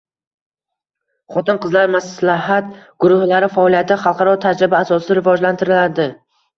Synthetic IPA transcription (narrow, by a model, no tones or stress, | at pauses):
χɒt̪ɪnqɨzlaɾmaslaɦat̪ɡ̥ʊɾʊhlaɾɪfaɒlˠijat̪ʰɪχɑlˠqʰɑɾɒt̪ʰad͡ʒɾɪbaːsɒsɪɾɪvɒd͡ʒlant̪ʰɪɾɪlaɾd̪ɪ